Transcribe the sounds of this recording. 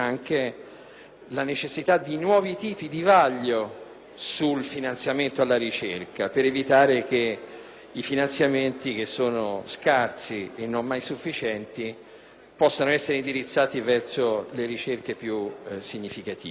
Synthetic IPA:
aŋk̟e | lanet͡ʃesːit̪ad̪ːinwɔːvit̪iːpid̪ivaʎːo | sulfinant̪sjament̪oalːaɾit͡ʃerkapeɾevit̪aːɾek̟e | ifinant̪sjament̪ik̟esːoːnoskarsienːommajsufːit͡ʃɛnt̪i | pɔsːanoɛsːeɾeind̪iɾit̪sːaːt̪ivɛrsoleɾit͡ʃerkepjusiɲːifikat̪ḭːe

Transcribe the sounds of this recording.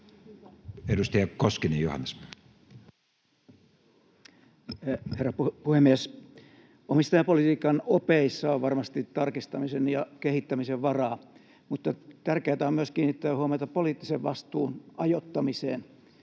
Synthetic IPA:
edust̪ɑjɑkoskinejjohɑ̰nːes | herːɑppuhemːies | omist̪ɑjɑpolit̪iːkɑnopeisːɑoʋʋɑrmɑst̪it̪ːɑrkist̪ɑmisenjɑkehit̪ːæmiseʋʋɑrɑː | mut̪ːɑt̪ærkeːt̪æommyøskiːnːit̪ːæːhuɑmɑt̪ɑpoliːˑt̪ːiseʋʋɑst̪uːnɑjot̪ːɑmisḛːn

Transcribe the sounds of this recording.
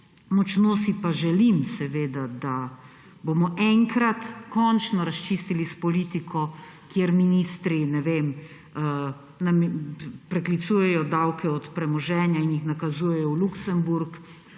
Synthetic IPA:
mɔt͡ʃnoːsipaʒɛlimsɛʋeːd̪ad̪a | bomɔʔɛŋkɾat̪kɔnt͡ʃnɔɾast͡ʃist̪ilispɔliːt̪ikʰɔ | kjeɾminist̪ɾinɛʋem | ə | nampɾɛklit̪suːjɛjɔd̪awkɛɔt̪pɾɛmɔʒɛːnjainjixnakazuːjɛjɔwluksɛmbuɾk

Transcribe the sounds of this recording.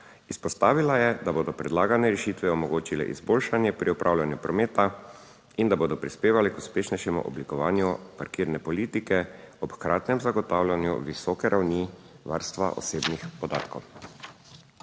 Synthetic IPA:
ispɔst̪aːʋilajɛd̪aboːd̪ɔpɾɛd̪laːɡanɛɾɛʃit̪ʋɛɔmɔɡoːt͡ʃilɛ̰ʔḭzboːlʃanjɛpɾʔiɔpɾʔawlʲjanjupɾɔmeːt̪a | ind̪aboːd̪ɔpɾispeːʋalikuspeːʃnɛjʃɛmṵʔɔ̰blikɔʋaːnjupaɾkiːɾnɛpɔliːt̪ikɛɔpkɾaːt̪nɛmzaɡɔt̪aːwlʲjanjṵʋisɔːkɛɾʔawni | ʋa̰ɾst̪ʋa̰ʔɔ̰seːbnixpɔd̪aːt̪kɔw

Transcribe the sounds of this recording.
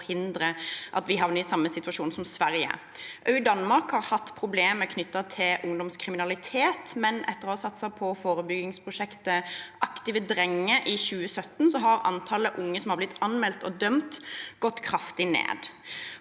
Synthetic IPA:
hɪnd̪ɾəʔɑ̰t̪ʋɪɦɑʋnəɪsɑmːəsɪt̪ʋɑʂuːnsɔmsʋæʁjə̰ | ʔœʏd̪ɑnmɑʁkhɑʁhɑt̪ːpʰʁʊbleːməkʰnʏt̪ːɑt̪ʰɪlʔʊŋd̪ɔmskʰʁɪmɪnɑlɪt̪ʰeːt̪mɛnʔɛt̪ːəʁɔsɑt̪sɑpʰɔfoːʁəbʏɡɪŋspʰʁʊʃɛkt̪əʔɑkt̪ɪʋəd̪ʁɛŋːəʔɪɕʉːəsœt̪ːn̩sɔɦɑɾɑ̰nt̪ʰɑːləʔʊŋːəsɔmhɑʁblɪt̪ʰːɑnmɛlt̪ɔd̪œmt̪ɡ̥ɔt̪ːkʰɾɑft̪ɪnḛːd̪

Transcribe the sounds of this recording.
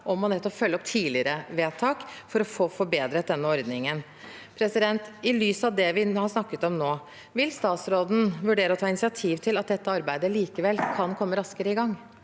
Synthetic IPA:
ʔɔmːɔnɛt̪ːɔpfœlːɔpt̪ʰiːlɪɾəʋeːt̪ʰɑːkfɔɾɔfoːfɔɾbeːd̪ɾət̪̚d̪ɛnːəɔɾd̪nɪŋən | pʰɾɛsɪd̪ɛnt̪ɪlyːsɑʋd̪ɛʋɪhɑʂnɑkːət̪ɔmnoː | ʋɪlst̪ɑːt̪sɾoːd̪n̩ʋʉɖeːɾəɔt̪ʰɑːɪnɪsɪɑt̪ʰiːʋt̪ʰɪlɑt̪̚d̪ɛt̪ːəɑɾbæɪd̪əliːkəʋɛlːkʰɑnkʰɔmːəɾɑskəɾəɪɡɑŋː

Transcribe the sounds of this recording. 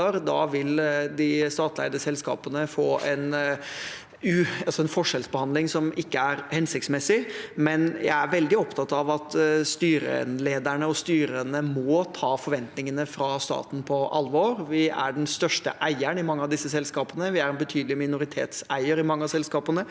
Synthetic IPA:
əɾd̪ɑʋɪld̪ɪst̪ɑːt̪ʰlæ̰ɪd̪əsɛlskɑ̰ːpənəfoːʔɛn | ʉɑlsɔɛnfɔʂɛlsbəhɑnd̪lɪŋsɔmɪkːəæɾhɛnsɪkt̪smɛsɪmɛnjæ̰ɪæɾʋɛld̪ɪɔpt̪ʰɑt̪ɑʋɑt̪st̪yːɾə̰ɛ̰nleːd̪æɳəɔst̪yːɾənəmɔːt̪ʰɑːfɔɾʋɛnt̪nɪŋənəfɾɑst̪ɑ̰ːt̪n̩pʰɔʔɑlʋoːɾʋɪæ̰ɖɛnst̪œʂʈə̰ʔæɪəɳɪmɑŋːəɑʋd̪ɪsːəsɛlskɑːpənəʋɪæɾɛnbət̪ʰyːd̪lɪmɪnʊɾɪt̪ʰḛːt̪sæɪəɾɪmɑŋːəɑsɛlskɑːpənə

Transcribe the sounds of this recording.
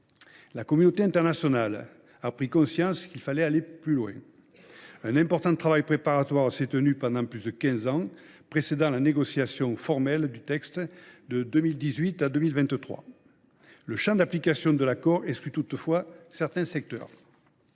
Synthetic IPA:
lakɔmynot̪eɛ̃t̪ɛʁnasjɔnal | apχikɔ̃sjɑ̃sə̥kilfalɛaleplylwɛ̰̃ | ɛ̃nɛ̃mpɔʁt̪ɑ̃t̪χavajpχepaʁat̪waʁsɛt̪ənypɑ̃nd̪ɑ̃plyzd̪əkʲɛ̃zɑ̃ | pχesed̪ɑ̃laneɡɔsjasjɔ̃fɔʁmɛld̪yt̪ɛkst̪d̪əd̪ømild̪izɥit̪ad̪ømilvɛ̃t̪ət̪χwa̰ | ləʃɑ̃d̪aplikasjɔ̃d̪əlakɔʁɛskyt̪ut̪fwasɛʁt̪ɛ̃sɛk̚t̪œ̰ʁ

